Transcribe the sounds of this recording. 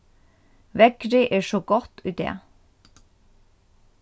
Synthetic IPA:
ʋɛkɾɪʔeːʃoːɡɔt̪ʰʉːd̪ḛː

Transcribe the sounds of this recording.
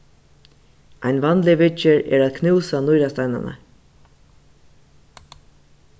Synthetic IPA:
ʔaɪjnvɑnlɪvɪt͡ʃɪɹɛ̰ːɾaːðkʰnɪwsanʊjɾast̪ajna̰na̰

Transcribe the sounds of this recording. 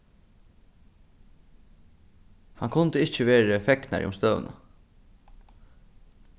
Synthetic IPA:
haŋkʰʊnt̪əɪt͡ʃəʋeːɾəfɛkna̰ɾʔḭʊ̰mst̪œ̰ːnə̰

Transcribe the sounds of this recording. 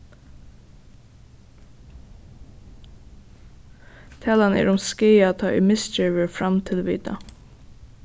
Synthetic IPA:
t̪ʰæːlanəɛ̰ːɹʊmskeːat̪ʰɑːʔɛmɪst͡ʃɪːʋəɹfɾamt̪ʰɪlʋḭːt̪a̰

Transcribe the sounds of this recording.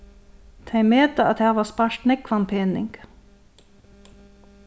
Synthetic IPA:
t̪ʰeɪmeːt̪əɑt̪hæːʋɑːspɑʃʈnɛkʰːʋɑnpʰeːnɪ̰ŋɡ̥

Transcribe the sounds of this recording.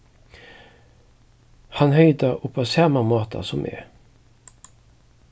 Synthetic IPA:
hɑnhœʏd̪əʊpʰːosɑːmamoːt̪ʰɑ̰sɔmʔɛ̰

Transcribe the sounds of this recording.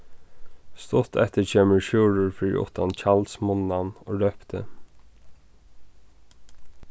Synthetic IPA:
st̪ʊt̪ɛht̪əɹt͡ɕʰeːməɹʃjuːɻʊɹfɪːɾɾḭʔʊ̰ht̪ʰːant͡ɕalsmʊnːanoːɾœpt̪ʰə̰

